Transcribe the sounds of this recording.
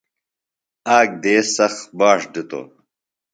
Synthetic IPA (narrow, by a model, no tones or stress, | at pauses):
aːɡ̚d̪eːsɐxbaːʂɖit̪o̰ː